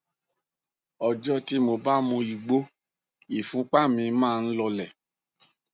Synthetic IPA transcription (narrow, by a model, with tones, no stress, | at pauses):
ɔ˨d͡ʒɔ˧ti˧˦mo˧ba˦mũ˧i˨ɡ͡bo˦ | i˨fũ˨˦k͡pa˦˨mĩ˧mãː˦˧n̩˦lɔ˧lɛ˨